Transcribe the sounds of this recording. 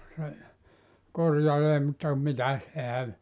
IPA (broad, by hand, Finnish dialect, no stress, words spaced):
se korjɑleː mutːɑ mitæs ehæn